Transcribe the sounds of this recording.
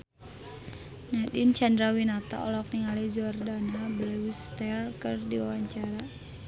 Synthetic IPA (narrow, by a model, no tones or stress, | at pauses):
nadint͡ʃandɾawinat̪a̰ɔ̰lɔk̚niŋalid͡ʒuardanablɛwist̪ɛrkɨrdiwawaɲt͡ʃaɾa